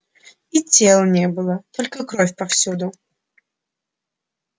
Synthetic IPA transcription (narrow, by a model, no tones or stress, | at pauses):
it͡sʲeɛlˠnʲɛbɨlˠɐt̪ɔlʲkəkɾɔfʲpɐfsʲud̪ʊ